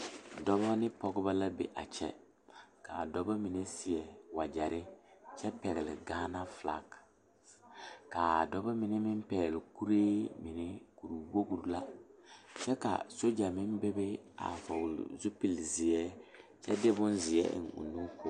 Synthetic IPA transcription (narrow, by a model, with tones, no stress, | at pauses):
dɔ˦βɔ˦nɪ˦pɔ˦ɡʊ˦ba˦la˦bḛ˨ʔa̰˨t͡ʃɛ̰˦ | ka˨dɔ˦ba˦mi˨ne˦sɪ˨ɛ˨wa˨d͡ʒɛ˨ɾɪ˦t͡ʃɛ˦pɛ˨ɣɪ˨lɪ̰˨ɡaː˦na˦fla̰˨k | ka˨dɔ˦ba˦mɪ˦ne˦mɪ˦mpɛː˨lɪ˨ku˦ɾeː˦mɪ˨nɪ˦ku˨ɾu˨wo˦ɡu˨ɾla˦ | t͡ʃɛ˦ka̰˨so˦d͡ʒa˨mɪ˦nbe˦be˦a̰˨fa˨wʊ˨l̰zu˦pi˨lzɪ˨ɛ˦t͡ʃɛ˦dɪ˦bʊ˦nzɪ˨ɛ̰˦ʔɪ̰˨nʊ̰˨nu˦ko˦